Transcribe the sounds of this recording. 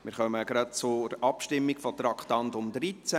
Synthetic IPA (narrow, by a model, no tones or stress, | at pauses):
mɪɾχœməɡ̥ɾɑt̚t͡sʊɾʔɑpʃtɪmːiɡ̥fɔt̪ɾɑkχtɑntʊmd̪ɾit͡sæ